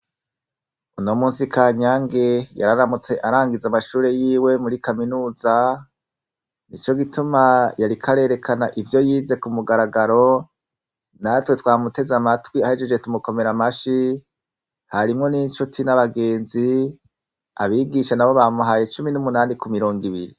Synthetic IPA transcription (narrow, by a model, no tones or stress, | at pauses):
unomuːnsikʰaːɲaŋɡe̞ja̰ɾaɾamut͡se̞ʔaɾaːŋɡizamaʃuːɾe̞jiːwe̞muɾikaminuːza | nit͡ʃo̞ɡitumajaɾikʰaɾe̞ːɾe̞kʰanaʔivjo̞jiːze̞kumuɡaɾaɡaɾo̞ | natwe̞twaːmute̞zamatwiahed͡ʒe̞d͡ʒwe̞tumuko̞me̞ɾamaʃi | haɾimŋo̞nit͡ʃutʰinaβaɡe̞ːnzi | a̰βiɡiʃanaβo̞βamuɦajet͡ʃuminumunaːnikumiɾo̞ːŋɡiβiɾḭ